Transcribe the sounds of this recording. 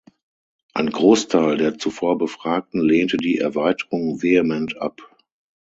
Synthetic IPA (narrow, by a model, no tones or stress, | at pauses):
ʔa̰ɪnɡʁoːstʰaɪldeːɐt͡sufoːɐbəfʁ̥aːk̚tn̩leːntədiːʔɛ̰ɐvaɪtəʁʊŋveemɛntʰʔa̰p